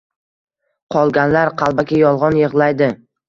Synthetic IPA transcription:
qʰɒlˠɡʲanlaɾqʰɑlˠbakʲajɒlˠʁɒnjɨʁlˠajd̪ɪ

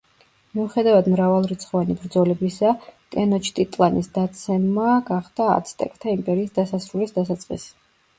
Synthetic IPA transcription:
miuχɛd̪avad̪mɾavalˠɾit̪sʰχɔvanibɾd̪zɔlɛbisakʼɛnɔt͡ʃʰt̪ʼit̪ʼlˠanisd̪at̪sʰɛmːaɡaχd̪̥a̰ːt̪sʰt̪ʼɛ̰kʼt̪ʰaimpʼɛɾiːsd̪asasɾulisd̪asat̪sʼqʼḭs

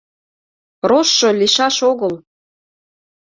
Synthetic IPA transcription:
proʃːŏliʃɑʃoɣəl

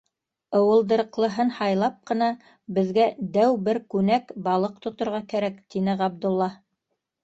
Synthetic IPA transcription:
ŏwɤ̆lˠd̪ɤ̆ɾɤqlˠɤ̆ɦɤnhɑjlˠɑp̚qɤ̆nɑ | bɘ̆ðɡæd̪æwbɘɾkʉnækbɑlˠɤq̚t̪ŏt̪ŏɾʁɑkæɾækt̪inɘʁɑb̚d̪ulˠːɑ

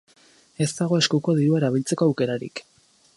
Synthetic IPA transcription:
e̞zt̪aɣo̞e̞skuko̞ðiɾuaeɾaβ̞ilt͡se̞ko̞awke̞ɾaɾḭk

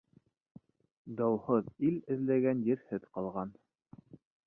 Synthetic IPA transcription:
d̪ɑwhɤðilɘ̆ðlæɡænjɘɾhɘðqɑlˠʁɑn

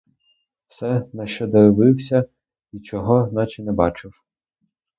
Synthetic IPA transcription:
wsɛnɐʃt͡ʃɔd̪ɐɾɪʋɪwsʲɐ | it͡ʃɔɦɔznɑt͡ʃɪnɛbɑt͡ʃɪw

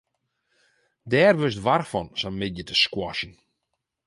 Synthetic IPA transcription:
dɛːrʋøstʋarfɔnsamɪdjətʰəskwɔʃən̩

